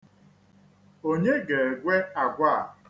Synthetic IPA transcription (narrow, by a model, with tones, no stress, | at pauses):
o˦ɲe˦ɡe˨ɡʷe˦a˨ɡʷa˦˨